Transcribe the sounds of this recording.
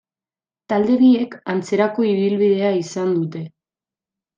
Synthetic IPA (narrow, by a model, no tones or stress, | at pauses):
t̪ald̪e̞βie̞kant͡se̞ɾako̞iβilβiðe̞aisand̪ut̪e̞